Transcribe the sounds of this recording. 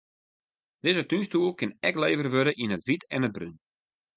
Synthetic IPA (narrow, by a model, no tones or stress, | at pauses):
d̥ɪzətynstuəlˠkɪnɛkleːvərʋødəʔinətʋitʰɛnəd̚bry̰n